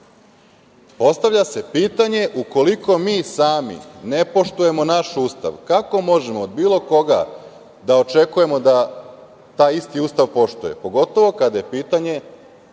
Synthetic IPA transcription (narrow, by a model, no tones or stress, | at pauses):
po̞st̪aʋʎʲase̞piːt̪aɲe̞ʔuko̞liko̞miːsaːmḭne̞po̞ʃt̪uje̞mo̞naʃuːst̪a̰ʋkako̞mo̞ʒe̞moːd̪biːlo̞ko̞ɡa̰ | d̪aot͡ʃe̞kuje̞mo̞d̪a | t̪aːjist̪iuːst̪aʋpo̞ʃt̪uje̞̰po̞ɡo̞t̪o̞ʋo̞kad̪aje̞piːt̪aɲe̞